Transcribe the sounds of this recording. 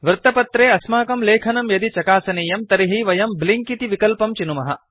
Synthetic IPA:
ʋɾt̪ɐpɐt̪ɾeːɐsmaːkɐmleːkʰɐnɐmjɐd̪it͡ʃɐkaːsɐneːjɐmt̪ɐɾiɦiʋɐjɐmbliŋkit̪iʋikɐlpɐmt͡ʃinumɐɦɐ̰

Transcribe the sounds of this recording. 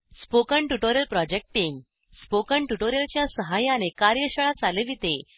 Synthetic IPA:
spokəɳʈuʈoɾjəlpɾɔd͡ʑek̚ʈːiŋɡ | spokəɳʈuʈoɾjəlt͡ɕjasəɦajãnekaɾjəɕəɭat͡saleʋit̪e

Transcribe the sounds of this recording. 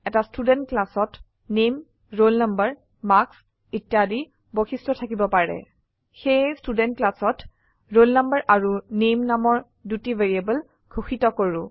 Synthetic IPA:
ɛtastudɛntklasɔt | nem | ɹolnambəɹ | maks | itjadi | boxistɹɔtʰakibɔpaɹɛ̰ | xejstudɛntklasɔt | ɹolnambəɹʔaɹunemnamɔɹ | dutiveɹiabəl | ɡʰʱoxitɔkoɹʊ̃

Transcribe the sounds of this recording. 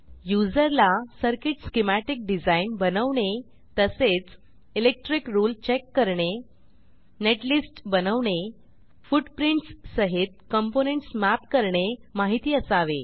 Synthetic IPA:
jud͡zəɾlasəɾkeʈskemæʈik̚ɖid͡zainbənəʋɳe | t̪əset͡s | ilek̚ʈɾikɾuːlt͡ɕekːəɾɳe | neʈlisʈbənəʋɳe | fuʈpɾiɳʈsːəɦit̪̚kəmponeɳʈsmæpkəɾɳemaɦit̪iːəsaʋḛ

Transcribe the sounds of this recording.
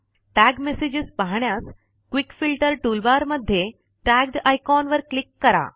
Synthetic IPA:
ʈæɡmesid͡ʑispaɦɳjas | kʋikfilʈəɾʈulbaɾməd̪ʱːje | ʈæɡ̚ɖajkɔnʋəɾklikːəɾa̰

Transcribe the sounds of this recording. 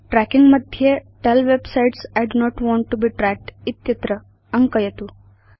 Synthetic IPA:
ʈɾækĩŋɡməd̪ʱjeʈɛlʋebsaiʈsajɖnɔʈʋɔ̃ɳʈːubiːʈɾæk̚ʈit̪jɐt̪ɾə | əŋkəjet̪u

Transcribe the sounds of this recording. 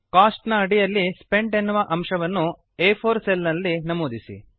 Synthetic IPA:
kaːsʈnɐːɽijɐlːispe̞ɳɖenːuʋɐʔɐmʃɐʋɐnːu | eːpʰoːɾselnɐlːinɐmuːd̪isḭ

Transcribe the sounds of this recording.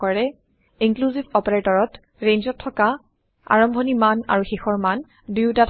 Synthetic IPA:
ɔɹɛ | iŋkluzibɔpeɹetɔɹɔt | ɹenzɔtʰːɔka | a̰ɹɔmbʱɔnimana̰ɹuxixɔɹman | dujtatʰ

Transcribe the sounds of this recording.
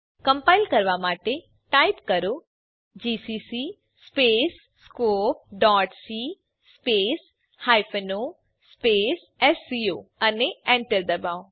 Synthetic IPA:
kɐ̃mpaːɪlkɐɾʋamaːʈe | ʈaːipkɐɾo | d͡ʒiːsiːsi | speːsːkoːp̚ɖɔːʈsi | speːs | haːjfʰeno | speːs | ɛsːioːɐneẽɳʈəɾd̪ɐbaːo

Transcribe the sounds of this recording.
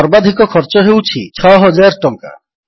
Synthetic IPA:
ɔɾbad̪ʱikɔkʰɔɾt͡ʃɔɦewt͡ʃʰit͡ʃʰɔɦɔd͡ʒaɾʈɔŋka̰

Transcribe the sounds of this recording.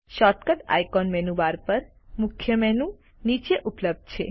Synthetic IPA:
ʃɔʈkəʈ̪a̰jkɔnmɛnuʋaɾpəɾ | mukʰːjəmɛnũ | nit͡ʃeʔupləb̚d̪̚t͡ʃʰḛ

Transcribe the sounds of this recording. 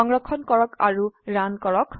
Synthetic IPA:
ɔŋɹɔkʰɔnkɔɹɔkaɹuɹankɔɹɔk

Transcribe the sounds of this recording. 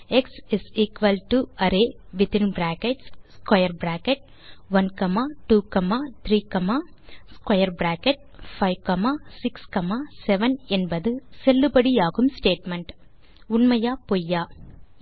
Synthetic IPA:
eksɪsiːkʋɐlʈuɐɾeːʋɪt̪ɪnbɾæːkeʈsskɐjɐɾbɾaːkeʈ̚ | ʋɐnkɐmaːʈuːkɐmaːt̪ʰɾiːkɐmaː | skɐjɐɾbɾaːkeʈ̚fʰɐɪʋkɐmaːsikskɐmaːsɛʋɐnɛnbɐd̪ɯselːubɐɽiaːɣumsʈeːʈmeɳʈ | ʊnmɐjaːpojːaː

